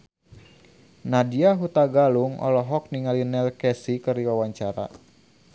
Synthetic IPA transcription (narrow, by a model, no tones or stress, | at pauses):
nadiaɦut̪aɡaluŋɔ̰lɔɦɔk̚niŋalinɛlkɛsikɨrdiwawaɲt͡ʃaɾa̰